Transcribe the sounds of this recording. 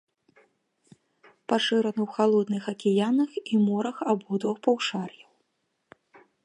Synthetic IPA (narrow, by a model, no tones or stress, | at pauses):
paʂɨɾɐnɨwxalˠɔd̪nɨxɐkʲijanɐximɔɾɐxabɔd̪vɔxpawʂarjɐw